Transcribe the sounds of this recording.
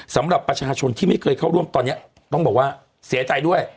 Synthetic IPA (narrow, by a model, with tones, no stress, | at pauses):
sa˨˦mɗa˨˩p̚pa˧˩t͡ɕːa˧˩t͡ɕʰo˨˧˩nt̪ʰi˧˦məː˨˦jkəː˨˩jxa˧wɗu˧əmt̪ɔ˨˩nɲa˧˦ | ɓɔ˧ŋ͡mɓa˨˩waː˧˩ | sɛ˨˦ət͡ɕa˨˩jɗu˧ə˨